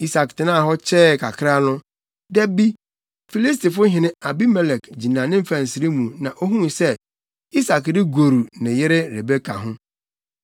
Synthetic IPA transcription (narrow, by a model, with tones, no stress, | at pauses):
i˦sa˨ktɪ˨˦nãː˦˨ɦɔ˦t͡ɕʰɛ˦˨kʰa˨kʰɾa˦nʊ̃˦ | dɛ˦bi˦ | fi˨li˦s̬ti˨fʊ˦ɦɪ̃˨nɪ̃˦a˨bi˦mɛ˦lɛ˨kd͡ʑi˨nãː˨nɪ̃˦m̩˦fa˨n̩˨si˨ɾi˦mũ˨nã˨ʔo˦ɦũ˦˨sɛ˦ | i˦sa˨kdɪ˦ɡo˨ɾu˨nɪ̃˨jɪ˦ɾɪ˦ɾe˨be˦kʰa̰˨ɦʊ̃˦